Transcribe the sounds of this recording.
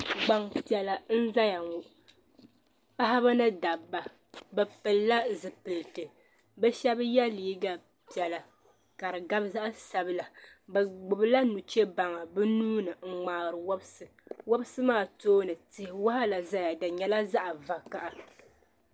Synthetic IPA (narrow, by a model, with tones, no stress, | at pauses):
ɡ͡ba˨ŋpi˦ɛ˨la˨n̩˦za˦ja˨ŋu˨ʔ | pa˦ɦa˦βa˦nɨ˦da˨bːa˨ | bɛ˨pɨ˨lːa˦zɨ˨pɨ˨lɨ˨tɨ˨ | bɛ˦ʃɛ˦bjɛ˦liː˦ɡa˦ | pi˨ɛ˨la˨ | ka˨ɾɨ˨ɡa˦bza˦ʔa˦sa˨bɨ˦la˨ba˨ɡ͡bʊ˨bɨ˦la˦nu˨t͡ʃɛ˦ba˨ŋa˨bɨ˦nuː˦nɨ˨ŋ͡m̩˨ŋ͡maː˨ɣɾɨ˨wa˦bsɨ˨wo˦bsɨ˦maː˦˨toː˦nɨ˨tɪ˨hɪ˨wa˦ha˦la˨za˦ja˨dɨ˨ɲɛ˨la˦za˦ʔa˨va˨ka˨ʔa˨